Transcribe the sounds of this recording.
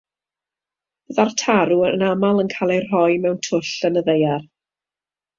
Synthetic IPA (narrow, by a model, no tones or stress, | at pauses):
bəðartʰaɾuənamalˠənkʰalˠejr̥ɔjmɛwntʰʊɬənəðejar